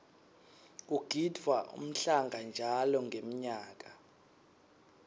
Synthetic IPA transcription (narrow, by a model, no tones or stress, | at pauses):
uɡ̥ʱidvwaʔṵm̩ɬaŋɡʱand͡ʒʱalɔŋɡʱem̩ɲaːk̬ʼa